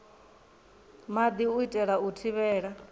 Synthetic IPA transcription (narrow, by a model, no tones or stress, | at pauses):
mad̪iuitʼɛɺautʰiβɛːɺa